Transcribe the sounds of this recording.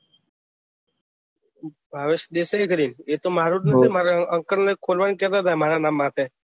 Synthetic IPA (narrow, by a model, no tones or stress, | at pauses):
bʱaʋeɕd̪esaikəɾiːnet̪omaɾuʈnet̪emaɾaəŋkəɽnəkʰːolʋankɛt̪at̪amaɾanamːat̪e